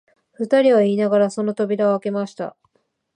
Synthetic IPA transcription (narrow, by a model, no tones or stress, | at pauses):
ɸɯ̟t̪aɾʲiβaiːnaɡaɾaso̞no̞t̪o̞bʲiɾaoake̞maɕi̥t̪a̰